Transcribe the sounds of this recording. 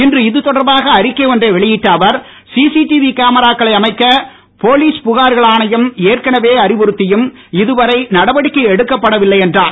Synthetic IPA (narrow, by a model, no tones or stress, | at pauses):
ɪndrɯɪðɯt̪ːɔɽɐɾbaːɣɐːɾɪkːeːɔndreʋɛɭɪjɪʈːɐːʋɐɾ | siːsiʈiʋikaːmɐɾaːkːɐɭɐɪɐmɐɪkːɐ | poːliːspʊɣaːɾɣɐɭaːnɐjɐmeːrkɐɳɐʋeːɐɾɪʋʊɾɯt̪ːɪjɯm | ɪðɯʋɐɾɐɪnɐɽɐʋɐɽɪkːɐɛɽɯkːɐpːɐɽɐʋɪlːɐɪɛndraːn